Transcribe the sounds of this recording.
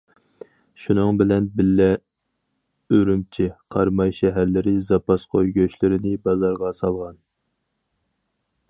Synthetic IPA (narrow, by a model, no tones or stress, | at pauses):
ʃunɨŋbɪlɛnbɪlːɛ | øɾymt͡ʃʰiqʰɑɾmɑjʃɛɦæɾlɪɾɪzɑpʰɑsqʰojɡʲøʃlɪɾɪnɪbɑzɑɾʁɑsɑlˠʁɑn